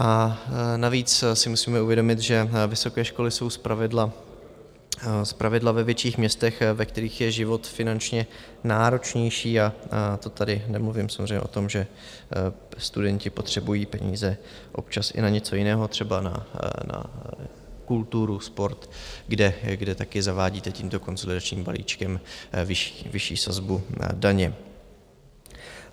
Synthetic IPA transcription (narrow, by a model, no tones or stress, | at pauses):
ʔanaviːt͡ssɪmusiːmɛuvjɛdo̞mɪt̪ʒɛvɪso̞kɛːʃko̞lɪso̞wspɾavɪdla | spɾʔavɪdlavɛvjɛt͡ʃiːxmɲɛst̪ɛxvɛk̚t̪ɛɾiːxjɛʒɪvo̞t̪fɪnant͡ʃɲɛ | naːɾo̞t͡ʃɲɛjʃiːat̪o̞t̪adɪnɛmluvɪmsamzrejɲɛ̰ʔo̞t̪o̞mʒɛ | st̪udɛɲcɪpo̞t̪r̝̥ɛbujiːpɛɲḭːzɛ | ʔo̞̰p̚t͡ʃasʔɪ̰naɲɛt͡so̞jɪnɛːɦo̞t̪r̝̥ɛbana̰na̰ | kult̪uɾuspo̞ɾt̪ɡdɛɡdɛt̪akɪzavaːɟiːt̪ɛciːmt̪o̞ko̞nzo̞lɪdat͡ʃɲiːmbalḭːt͡ʃkɛmvɪʃi̥vɪʃḭːsazbudaɲɛ